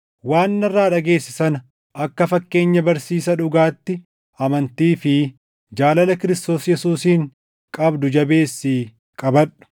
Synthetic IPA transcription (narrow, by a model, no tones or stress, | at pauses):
waːnːɐrːaːᶑɐɡe̞ːsːɪsɐn | ʔɐkːɐfɐkːe̞ːɲːɐbɐɾsiːsɐᶑʊɡaːt̪ːɪ | ɐmɐnt̪iːfɪ | d͡ʒaːlɐlɐkɪɾɪst̪o̞ːsjɛsuːsiːŋ | kʼɐbd̪ʊd͡ʒɐbe̞ːsːiː | kʼɐbɐᶑʊ̥